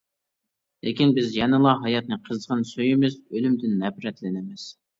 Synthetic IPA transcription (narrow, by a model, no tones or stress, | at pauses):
lʔɪkʲinbɪzjɛnɨlˠɑɦɑjɑt̪̚nɨqʰəzʁɑnsøjɪmɪzølymd̪ɪnːɛpɾɛt̪lɪnɪmɪz̥